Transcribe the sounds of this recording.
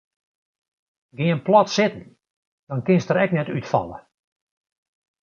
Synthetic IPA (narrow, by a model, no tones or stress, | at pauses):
ɡɪənplˠɔtsɪtən̩ | d̥ɔnkɪnstəɾɛknɛtytfɔ̰lˠə̰